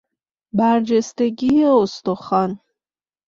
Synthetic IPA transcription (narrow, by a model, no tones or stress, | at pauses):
bæɾd͡ʒest̪eɡieost̪oχɑn